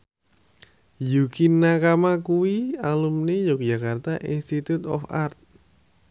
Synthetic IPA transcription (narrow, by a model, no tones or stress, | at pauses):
jukinakamakuwialumnejok̚d͡ʒakart̪aʔinst̪it̪ut̪ɔ̰fart̪̚